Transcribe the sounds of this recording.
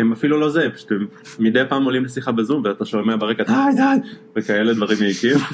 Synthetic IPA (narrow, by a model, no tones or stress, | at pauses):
emafilulo̞zepḁʃu̥t̪emːid̪ejpaːmolimlesiχabezumveat̪aʃomeabeʁekadajdajvekae̞led̪vaʁimjeikim